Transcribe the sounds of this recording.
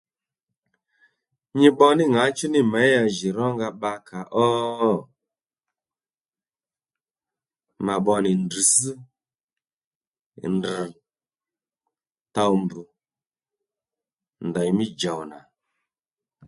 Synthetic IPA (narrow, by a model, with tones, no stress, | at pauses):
ɲi˦ɓɔ˧nɪ˦ŋa˨˦t͡ʃu˦nɪ˦mɛ˨˦ja˧ʒi˨ɾɔ˦ŋɡa˧ɓa˧kʰa˨ʔɔ˦ | ma˨ɓɔ˧nɪ˨ndi˨si˦˨ | nd̩˨ | ta˧u˨mbu˨ | ndɔ˨i˨mi˦d͡ʒa˨wna˨